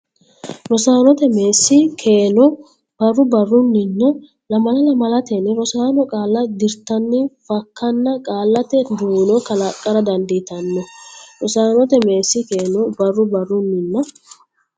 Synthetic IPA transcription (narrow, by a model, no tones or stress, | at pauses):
ɾɔsaːnɔt̪ɛmeːsːɪkʰeːnɔ | b̥ɐrːʊbɐrːʊnːɪnːɔ | lɐmɐlɐlɐmɐlɐt̪ɛnɾɔsaːnɔkʼaːlːɐd̪ɪɾt̪ɐnːɪfɐkːɐnːɐkʼaːlːɐt̪ɛd̪uːnɔkɐlakʼːɐɾɐd̪ɐnd̪ɪt̪ɐnːɔɾɔsaːnɔt̪ɛme̞ːsːɪke̞ːnɔbɐrːʊbɐrːʊnːɪnːɐ